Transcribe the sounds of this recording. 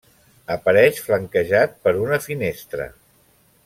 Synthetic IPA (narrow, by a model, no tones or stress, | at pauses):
əpəɾɛʃfləŋkəʒat̪̚pəɾunəfinest̪ɾə̰